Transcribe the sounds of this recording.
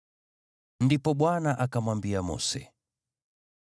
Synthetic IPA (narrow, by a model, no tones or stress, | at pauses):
ndipɔɓwanaʔakamwambiamɔ̰sɛ̰